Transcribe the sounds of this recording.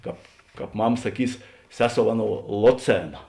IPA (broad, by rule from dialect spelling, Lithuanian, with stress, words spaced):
ˈkɑːp ˈkɑːp ˈmɐm sɐˈkʲiːs ˈsʲæːˌsoːʊ ˈɑːˌnoːʊ ˈlˠoːˌt͡sʲeːnɐ